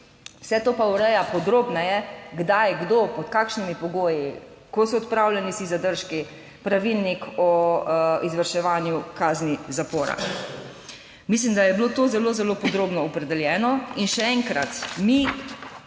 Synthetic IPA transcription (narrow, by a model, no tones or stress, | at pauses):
wsɛt̪oːpauɾɛjapɔd̪ɾoːbnajɛɡd̪ajɡd̪opɔt̪kaːkʃnimipɔɡoːji | kɔsɔɔt̪pɾaːwlʲjɛnisizad̪əɾʃki | pɾaʋilnikɔ | izʋəɾʃɛʋaːnjukaːznizapoːɾa̰ | mis̬limd̪ajɛbilot̪oːzɛloːzɛlopɔd̪ɾoːbnɔɔpɾɛd̪ɛljɛːnɔinʃɛɛŋkɾat̪mi